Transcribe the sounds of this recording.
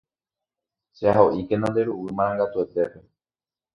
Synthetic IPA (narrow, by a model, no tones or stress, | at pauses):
ʃeaɦoʔike̞nõnd̪e̞ɾuwɨmãɾ̃ãŋɡat̪ue̞t̪e̞pe̞